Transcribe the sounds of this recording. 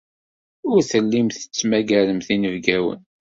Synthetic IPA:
ʊɾθəlːimθə̥t͡sːmæɡæɾəmθinəvɡæwə̰n

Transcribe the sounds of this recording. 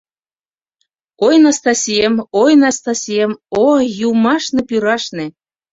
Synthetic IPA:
ojnɑst̪ɑsʲijemojnɑst̪ɑsʲijemojumɑʃnepyɾɑʃnĕ

